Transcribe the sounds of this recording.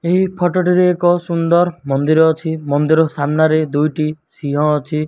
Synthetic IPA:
eɦipʰɔʈɔʈiɾeekɔsund̪ɔɾmɔnd̪iɾɔːt͡ʃʰimɔnd̪iɾɔsamnaɾed̪ujʈi | siɦɔ̃ːt͡ʃʰi

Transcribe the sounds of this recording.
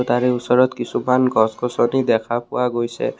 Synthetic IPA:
t̪aɹɛusɔɹɔt̪kisumanɡʱɔsɡʱɔsɔnid̪ɛkʰapʊwaɡojsɛ̰

